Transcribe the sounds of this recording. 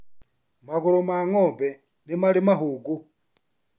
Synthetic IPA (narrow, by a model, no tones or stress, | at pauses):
maɣulomaŋobe | nimalimaɦuɡu